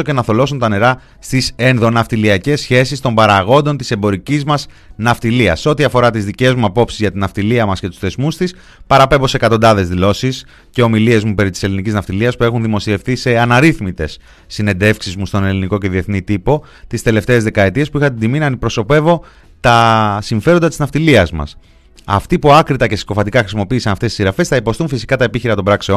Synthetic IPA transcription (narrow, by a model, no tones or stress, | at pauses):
oce̞nɐθo̞lo̞sont̪ɐne̞ɾɐ | st̪isenðo̞nɐft̪iliɐce̞sçe̞sist̪ombɐɾɐɣo̞nd̪o̞nt̪ise̞mbo̞ɾicizmɐs | nɐft̪iliɐ̰sːeo̞t̪iɐfo̞ɾɐt̪izðice̞zmuɐpo̞psizʝɐt̪inɐft̪iliɐmɐsce̞t̪u̥θe̞zmust̪is | pɐɾɐpe̞bo̞sekɐt̪o̞nd̪ɐðe̞zðilo̞sis | ce̞o̞milie̞zmupe̞ɾit̪i̥se̞liniciznɐft̪iliɐspue̞xunðimo̞sie̞fθise̞ɐnɐɾiθmit̪e̞sː | ine̞nd̪e̞fksizmust̪o̞ne̞liniko̞ce̞ðie̞θnit̪ipo̞ | t̪ist̪e̞le̞ft̪e̞ːzðe̞kɐet̪ie̞spuixɐt̪ind̪iminɐːnd̪ipɾo̞so̞pe̞vo̞ | t̪ɐsiɱfe̞ɾod̪ɐt̪iznɐft̪iliɐzmɐ̰s | ɐ̰ft̪ipuɐkɾit̪ɐce̞si̥ko̞fɐt̪ikɐxɾisimo̞piːsɐnɐft̪esisiɾɐfe̞sθɐipo̞st̪unfisi̥kɐt̪ɐe̞piçiɾɐt̪o̞mbɾɐkseon